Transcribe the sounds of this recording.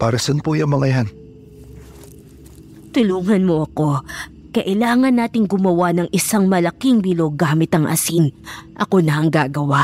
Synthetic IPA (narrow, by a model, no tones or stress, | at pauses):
paːɾɐsɛnpojɐŋmɐŋɐjan | t̪ʊluːŋɐnmo̞ʔɐko̞ | kɐʔɪlaːŋɐnːaːt̪ɪŋɡʊmɐwanɐŋʔɪsaŋmɐlɐkiŋbiːloɡaːmɪt̪ɐŋʔɐ̰siŋʔɐko̞nɐhɐŋɡaːɡɐwa